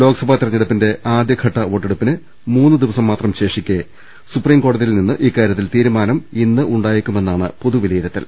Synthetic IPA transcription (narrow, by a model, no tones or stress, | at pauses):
lo̞ːɡɐsɐbʱaːt̪irɐɲːɐɽɐpːinde̞ʔaːd̪jɐɡʱɐʈːɐo̞ːʈːeɽupːinɨ | muːnːɨd̪iʋɐsɐmːaːt̪rɐmɕe̞ːʂikʲːe | supriːmko̞ːɽɐðijilninːɨʔiːkːaːɾjɐt̪ːilt̪iːɾumaːnɐminːɨʔuɳɖaːjikʲːume̞nːaːɳɨ̰po̞ðuʋilɐjiɾɐt̪ːḭl